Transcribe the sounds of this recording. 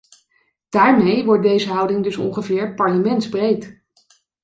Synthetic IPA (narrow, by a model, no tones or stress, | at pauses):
d̥aːɹmejʋɔɹt̚dejzəɦʌwdɪŋdɵsɔ̰ŋχəvɪːɹpɑɹləmɛntzbrejt